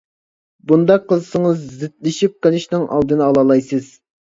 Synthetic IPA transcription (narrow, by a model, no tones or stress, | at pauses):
bund̪ɑqʰːəzɨsɨŋəzːɪt̪̚lɪʃip̚qelˠɪʃnɪŋʔɑ̰lˠd̪ɨnɨɑlˠɑːlˠɑjsɨz̥